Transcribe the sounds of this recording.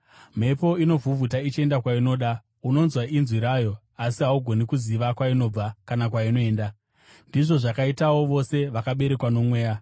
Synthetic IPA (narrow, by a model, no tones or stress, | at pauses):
m̤e̞po̞ino̞vʱuvutait͡ʃie̞ndakwaino̞ːɗa | uno̞nzwaʔinzwiɾaːjo̞ | asiɦauɡʱo̞nikuziʋakwaino̞ːb͡vakanakwaino̞e̞ːnda | ndiʐo̞ʐakaitawo̞ʋo̞se̞ʋakaɓe̞ɾe̞kwano̞mwe̞ːja